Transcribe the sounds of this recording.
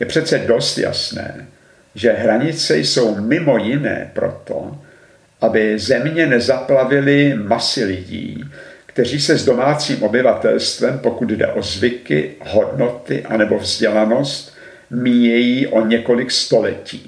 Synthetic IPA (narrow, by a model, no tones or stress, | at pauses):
jɛpr̝̥ɛt̪t͡sɛdo̞st̪ja̰snɛ̰ː | ʒɛɦɾaɲɪt͡sɛjso̞wmɪmo̞jɪnɛ̰ːpɾo̞̰t̪ʰo̰ | ʔabɪzɛmɲɛnɛzaplavɪlɪmasɪlɪɟḭːkt̪ɛr̝iːsɛzdo̞maːt͡siːmʔo̞bɪvat̪ɛlst̪vɛmpo̞kud̪dɛ̰ʔo̞zvɪkɪ̰ho̞dno̞t̪ɪʔanɛbo̞vzɟɛlano̞st̪ | miːjɛjiːʔo̞ɲɛko̞lɪkst̪o̞lɛcḭː